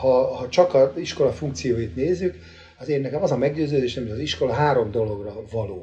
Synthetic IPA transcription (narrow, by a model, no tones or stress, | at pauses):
hɒhɒt͡ʃɒkɒziʃko̞lɒfuŋk̚t̪sijoːjit̪neːzːyk | ɒzeːrnɛkɛmɒzɒmɛɡɟøːzøːd̪eːʃnɛmiʃɒziʃko̞lɒɦaːɾo̞md̪o̞lo̞ɡrɒvɒloː